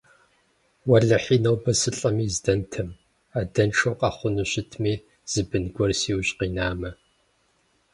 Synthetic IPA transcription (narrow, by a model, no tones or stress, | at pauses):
wɐɮɐħiːnɐwbɐsɨɬʼɐmiːzdɐntʰɐm | aːdɐnʈ͡ʂʰowqʼɑχʷʊnɨɕɪtʰmiː | z̥ɨbɨnɡʷɔrsiːwɕʼqiːnaːmɐ